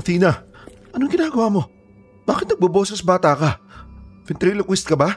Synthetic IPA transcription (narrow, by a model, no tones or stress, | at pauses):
t̪iːnɐ | ʔɐnoŋɡɪnaːɡɐwaːmo̞ | b̥aːkɪt̪nɐɡ̚bɐbo̞ːsɐsɐbaːt̪aka | fɪnt̪ɾiːlokwɛst̪̚kɐba